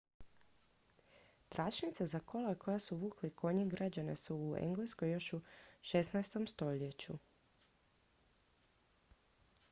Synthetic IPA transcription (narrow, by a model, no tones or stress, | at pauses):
t̪ɾʔat͡ʃnit̪sazakʰo̞lako̞jasuʋuːklikʰo̞ɲiɡɾad͡ʑanesuːḛŋɡleskojjo̞ʃuʃe̞snajst̪o̞mst̪o̞ʎet͡ɕu